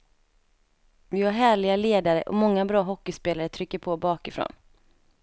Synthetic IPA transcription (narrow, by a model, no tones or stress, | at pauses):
vɪvaɾɦæːɭɪɡaleːd̪aɾəʔɔ̰mɔŋːabɾɑːɦɔkːɪspeːlaɾət̪ʰɾʏkːəɾpʰɔbɑːkɪfɾo̰ːn